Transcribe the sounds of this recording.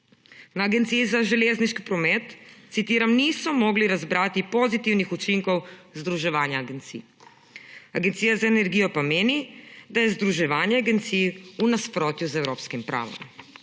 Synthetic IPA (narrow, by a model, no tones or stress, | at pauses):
naːɡɛnt̪sijizaʒɛleːzniʃki̥pɾɔmɛt̪sit̪iːɾamniːsɔmɔɡliɾazbɾaːt̪ipɔzit̪iwnixut͡ʃiŋkɔwzd̪ɾuʒɛʋaːnjaːɡent̪sḭː | aɡent̪siːjazaɛnɛɾɡiːjɔpameːnid̪ajɛzd̪ɾuʒɛʋaːnjɛaɡɛnt̪siːunaspɾoːt̪juzɛwɾoːpskimpɾʔa̰ːʋɔ̰m